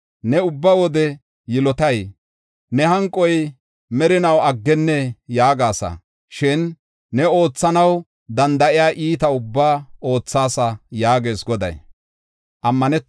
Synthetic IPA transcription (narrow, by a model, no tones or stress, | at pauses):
nɛʊbːawɔd̪ɛ | jɪlɔt̪ɐj | nɛhɐŋkʼːɔj | mɛɾɪnɐwɐɡːɛnːɛjaːɡaːsɐ̰ | ʃɪnː | ɛo̞ːt͡sːɐnɐw | d̪ɐnd̪ɐʔɪjaːʔiːt̪ɐʊbːaːo̞ːt͡sːaːsɐjaːɡe̞ːsɡɔd̪ɐ̰j | ʔɐmːɐnɛ